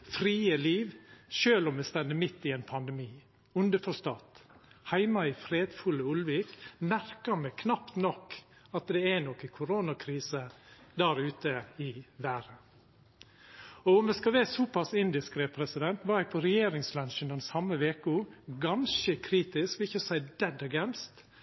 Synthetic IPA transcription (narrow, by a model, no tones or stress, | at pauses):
fɾiːəliːʋʃøːlɔməst̪ɛnd̪əmɪt̪ːɪɛnpʰɑnd̪ɛmiː | ʉnd̪əfɔʂt̪ɑːt̪hæɪmɑɪfɾeːd̪fʉləʊlʋiːkmæɾkəɾmɛkʰnɑpt̪nɔkː | ɑt̪̚d̪ɛɛnɔkːɪkʰʊɾoːnɑkʰɾiːsəd̪æːɾʉːt̪əɪʋæːɾə | ɔʊmɛskɑʋɛsɔːpɑsɪnd̪ɪskɾɛpʰɾɛsɪd̪ɛnt̪ʋɑæɪpʰɔɾɛjeːɾɪŋslɑnʃənd̪ɛnsɑmːəʋeːkuɡɑnʃəkʰɾiːt̪ɪskʋɪçəsæɪd̪̥ɛd̪ɑɡɛnst̪